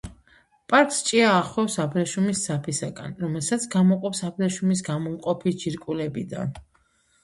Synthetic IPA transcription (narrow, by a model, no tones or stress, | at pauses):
pʼaɾkʼst͡ʃʼiaːχɛfsapʰɾɛʃumisd̪zapʰisaɡa̰nɾɔmɛlˠsat̪sʰɡamɔqʼɔpsapʰɾɛʃumis̬ɡamɔmqʼɔpʰit͡ʃiɾkʼulɛbḭd̪a̰n